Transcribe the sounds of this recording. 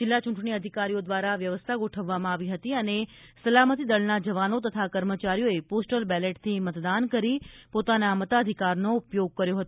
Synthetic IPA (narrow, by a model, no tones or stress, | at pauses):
d͡ʒɪlːat͡ʃũɳʈɳ̃iəd̪ʱikaɾijod̪ʋaɾaʋjəʋəst̪ʰaɡoʈʰəʋːamãaʋiɦət̪iənesəlamət̪id̪əɭnad͡ʒəʋanot̪ət̪ʰakəɾmət͡ʃaɾijoeposʈəlbɛleʈt̪ʰimət̪d̪ankəɾipot̪anamət̪ad̪ʱikaɾnoupjoɡ̚kəɾjoɦət̪o